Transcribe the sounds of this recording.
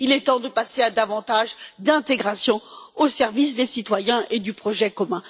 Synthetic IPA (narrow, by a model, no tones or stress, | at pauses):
ilɛt̪ɑ̃d̪əpasead̪avɑ̃t̪aʒd̪ɛ̃t̪eɡʁasjɔ̃osɛʁvis̬d̪esit̪wajɛ̃ʔed̪ypχɔʒɛkɔmɛ̃